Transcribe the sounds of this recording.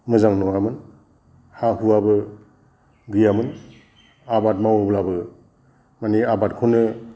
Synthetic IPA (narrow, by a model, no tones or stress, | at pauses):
mɯzaŋnɔwamɯn | hahuabɯ | ɡɯjamɯn | abat̚mawoblabɯ | maniabat̚kʰunɯ